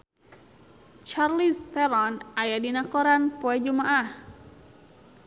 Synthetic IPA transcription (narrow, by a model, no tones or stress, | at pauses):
t͡ʃarlist̪ɛɾɔnajadinakɔɾanpɔɛd͡ʒumaʔah